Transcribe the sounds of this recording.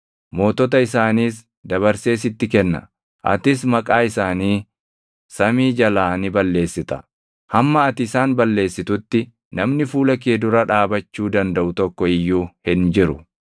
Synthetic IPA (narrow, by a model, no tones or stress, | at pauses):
mo̞ːt̪ɔt̪̬ɐɪsaːniːs | d̪ɐβɐɾse̞ːs̬ɪt̪ːɪkɛnːɐ̰ | ʔɐ̰t̪ɪsmɐkʼaːɪsaːniː | sɐmiːd͡ʒɐlaːnɪbɐlːe̞ːsːɪt̪ɐ̥ | hɐmːɐɐt̪ɪsaːnbɐlːe̞ːsːɪt̪ʊt̪ːɪ | nɐmnɪfuːlɐkeːd̪ʊɾɐᶑaːbɐt͡ʃːuːd̪ɐnd̪ɐʔʊt̪ɔkːɔɪjːuːhɪnd͡ʒɪɾʊ